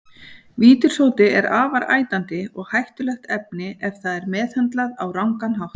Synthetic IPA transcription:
viːt̪ʏɾ̥sowt̪ɪɛɾaːvaɾʔa̰ːjt̪ant̪ɪɔɣhajht̪ʏlɛxt̪ɛp̚nɪʔɛfθaðɛɾmɛːðhant̪laðawɾawŋkanɦawht̪

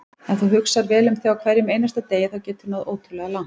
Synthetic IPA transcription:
ɛnθuwɦʏksaɾvɛːlʏmθjawkʰvɛɾjɪmeːjnast̪at̪eːjɪθawcɛːt̪ʏɾnaðoːwt̪ɾʏlɛɣalan̥

